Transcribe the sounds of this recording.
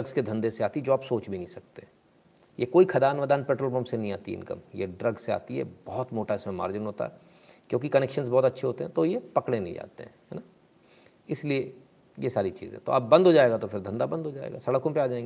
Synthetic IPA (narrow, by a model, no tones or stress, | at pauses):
ɐɡzked̪ʱɐ̃nd̪eseaːt̪id͡ʒoːaːpsoːt͡ʃbʱinɐɦĩsɐk̚t̪eɦɛ̃ | jekoːikʰɐd̪aːnʋəd̪aːnpɛːʈɾoːlbəmsenɐɦĩa̰ːt̪iɪ̰nkə̰mjḛɖɾɐɡzsea̰ːt̪iɦɛ̰bɔɦɔt̪moːʈaɪsmẽma̰ːɾd͡ʒɪnɦoːt̪a̰ɦɛ | kjõːk̬ikɐnɛːkʃənzbɔːt̪ɐtːʃʰeɦoːt̪eɦɛ̃t̪ojepɐkɽ̃ẽnɐ̃ɦĩd͡ʒa̰ːt̪ḛɦɛ̃ɦɛ̰na | ɪslie | jesaːɾit͡ʃḭːzḛ̃t̪o̰ɐbːɐ̃nd̪ʱɦod͡ʒaːeːɡat̪ofʰɪɾd̪ʱɐ̃nd̪abɐ̃nd̪ɦod͡ʒa̰ːḛːɡaːsɐɽəkõpeaːd͡ʒaːẽŋɡe